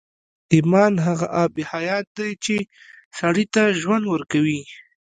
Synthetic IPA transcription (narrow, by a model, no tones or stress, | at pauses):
imɑnɦaɣa̰ʔɑbɪhajɑt̪̚d̪ajt͡ʃe | saɽit̪aʒwand̪wəɾkawi